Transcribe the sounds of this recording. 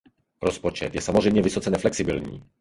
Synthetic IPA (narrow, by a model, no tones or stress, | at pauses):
ɾɔspɔt͡ʂɛ̰t̪jɛsamɔzʐɛmɲɛvɪsɔt̪sɛnɛflɛksɪbilɲḭ